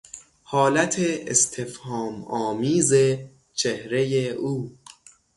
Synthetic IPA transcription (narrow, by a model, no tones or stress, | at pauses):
hɒːlæt̪ʰeest̪ʰefhɒːmɒːmiːze | t͡ʃʰehɾe̞jeʔuː